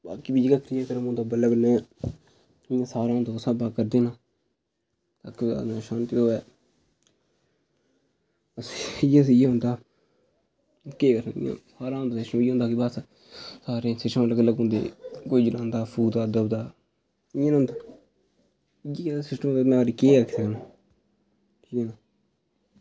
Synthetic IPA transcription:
baːkiːbiːd͡ʒkaːkɾijaːkəɾmõːd̪aːbələɡnɛ̃ː | ɪjãːsaːɾaːɦõnd̪aːsãːbaːkəɾd̪eːnãː | t̪aːk̪ːa̰ːʃaːnt̪it̪oːɛː | əsijãːs̬ijãːɦʊ̃nd̪aː | keːkəɾnːḭjã̰ːsaːɾaːɦõnd̪aːsɪʃmiːõnd̪aːkɪbas | saːɾẽːsɪʃəmaːləɡəlːəɡɦõːnd̪ḛːkoiːd͡ʒəlãːnd̪aːpʰuːd̪aːd̪əbd̪aː | ɪjãːnʊ̃nd̪aː | j̃asɪsʈəmːd̪aẽaːɾikeːkʰːsəkənaː | ẽːnãː

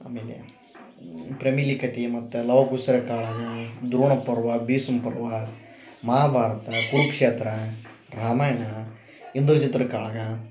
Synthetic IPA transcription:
ɐ̰meːlḛ | pɾɐmilikɐt̪imɐt̪ːulɐʋɐkusɐɾɐkaːɭaːɡɐd̪ɾuːɳɐpːɐɾʋɐbiːsumpɐɾʋɐ | mɐɦaːbʱaːɾɐt̪ɐkuɾukʂeːt̪ɾɐ | ɾaːmaːjɐnɐ | ind̪uɾt͡ʃit̪ɾɐkaːɭɐɡɐ

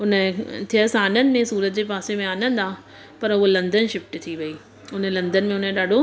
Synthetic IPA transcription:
ʊnət̪ʰijəsaːnən̆mẽsuːɾət̪d͡ʑeːpaːsemẽaːnə̃nd̪aː | pɐɾʊɦolɐ̃nd̪ənʃɪfʈt̪ʰiʋɐiː | ʊn̤əlɐ̃nd̪ənmẽʊnəɗaːɖʱo

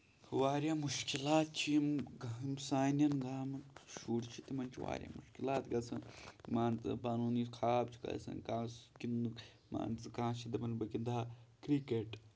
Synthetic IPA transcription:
ʋaːɾjaːmuʃkilaːt̪̚t͡ʃʰimɡimsaːnʲɐnɡaːmɐʃuːʈt͡ʃʰit̪imɐnʲt͡ʃʰiʋa̰ːɾʲja̰ːmuʃkilaːt̪ɡɐsɐmaːnt̪ɨ̰paːnuːniːskʰaːbt͡ʃʰi̥kɐ̰sɐ̰nkaːskinuk | ma̰ːnɨkãːt͡ʃʰid̪ɐbɐnbɐkind̪aːkɾikeːʈ

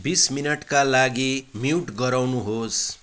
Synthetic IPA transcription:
bisminʌʈkalaɡimiʈɡʌɾawnuɦos

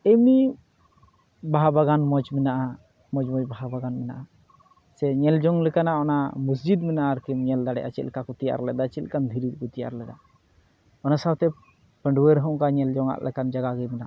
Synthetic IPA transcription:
emi | baɦabaɡanmɔd͡ʒmɛnaʔa | mɔd͡ʒmɔd͡ʒbaɦabaɡanmɛna̰ʔa | sɛɲɛld͡ʒɔŋlɛkanaɔnamus̬d͡ʒid̪mɛnaʔaɾkimɲɛld̪aɽɛʔa̰t͡ʃḭlkakut̪ija̰ɾlɛd̪at͡ʃɛt̪lkand̪ʱiɾit̪̚kut̪ija̰ɾlɛd̪a | ɔnasawt̪ɛ | pəɳɖuweɾɦɔ̃ʔkaɲɛld͡ʒɔŋa̰ʔlʔɛ̰kand͡ʒaɡaɡɛmɛnaʔa

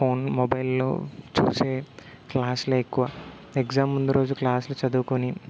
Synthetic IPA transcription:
pʰoːnmobɐjlːo̰ːt͡ʃṵːse̞ː | klaːsluekːuʋɐ | ekzaːmund̪uɾo̞ːd͡ʒuklaːslut͡ʃɐd̪uːkuni

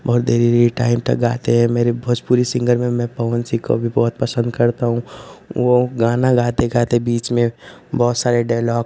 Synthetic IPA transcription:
bɔːt̪̚d̪ʱeːɾiɾeʈaːɪmʈ̪ə̰ɡaːt̪eɦɛ̃meːɾebʱɐd͡ʒpuɾisɪ̃ŋɡəɾmẽmɛ̃pəʋənsiko̰bʱibɔːt̪̚pəsə̃nd̪kɐɾt̪aɦũʋoɡaːnaɡaːt̪eɡaːt̪ebiːt͡ʃmẽbɔːt̪saːɾeɖaːlɔːk

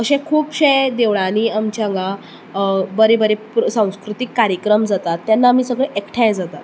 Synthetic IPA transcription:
əɕẽkʰuːpɕẽd̪eʋɭãniːamt͡ɕãŋɡã | bəɾebəɾepsãw̃skɾut̪ikːaɾjəkɾəmd͡zat̪at̪ːjanːaːmiːsəɡɭeʔekʈʰãj̃d͡zat̪at̪

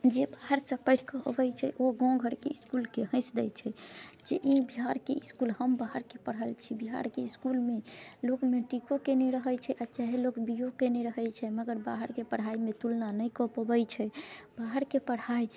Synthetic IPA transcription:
d͡ʒebaɦəɾsə̃pəɪʈʰkəəbəjt͡ʃʰɛ̰ʔoɡɔ̃ɡʱəɾkḛiskulkeɦə̃ɪsd̪ɛjt͡ʃʰɛd͡ʒeʔĩbiɦaɾkeiskulhəmbaɦəɾkepəɽəlt͡ʃʰibiɦa̰ɾkeiskulmelokmeʈikokeneɾəɦət͡ʃʰɛʔat͡ʃaɦelokbijokeneɾəɦɛjt͡ʃʰɛməɡəɾbaɦəɾkepəɽ̤ɦaimet̪ulnanəjkɔpəbəjt͡ʃʰɛbaɦəɾkepəɽai

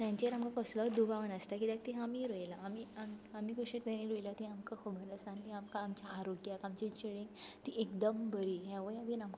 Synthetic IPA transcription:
t̪jãɲt͡ɕeɾamkakəslaɾd̪ubʱaʋənəst̪akid̪ak̚t̪iɦamiɾojlaːmiamamiːkoɕet̪enĩɾojilat̪ĩamkakobʱəɾəsannĩamkaːmt͡ɕjaːɾoɡjakamt͡ɕit͡ɕiɽĩŋɡt̪iʔekd̪əmbəɾiːɦjaʋəjaʋinamk

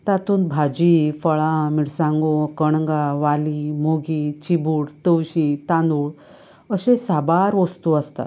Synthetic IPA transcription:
t̪at̪uːnbʱad͡ʑifəɭãmiɽsãŋɡokəɳ̃ŋɡaʋalimoɡit͡ɕibuːɽt̪əwɕit̪and̪uːɭ | əɕesabaɾʋost̪uəst̪a̰t̪

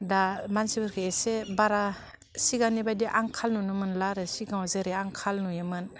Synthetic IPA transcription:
damansibɯɾkʰɯesebaɾa | siɡanibajdiʔaŋkʰalnunɯmɯnlaɾɯsiɡawzɯɾeaŋkʰalnujɯmɯn

